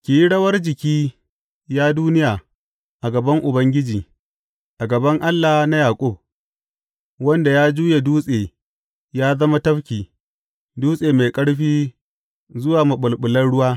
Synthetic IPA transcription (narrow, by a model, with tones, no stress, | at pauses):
kʲiː˨ji˦ɽɐ˦wɐ˦rd͡ʒɪ˨kʲiː˦ | jaː˦duː˦nɪ˦jaː˨ | ʔa˨ɡɐ˨bɐ˦ŋʔʊ˨bɐ˦ŋɡʲɪ˦d͡ʒiː˨ | ʔa˨ɡɐ˨bɐ˦ŋʔa˦lːa˨hna˦jaː˨kʷʼʊ˦˨b̚ | wɐ˦nda˨jaː˦d͡ʒuː˦je˨duː˦sʼeː˨ | jaː˦zɐ˦ma˦tɐ˦ɸkʲiː˨ | duː˦sʼeː˨me˨kʼɐ˦ɽɸiː˦ | zʊ˦waː˨ma˨ɓʊ˨lɓʊ˨lɐ˦nɽʊ˦waː˦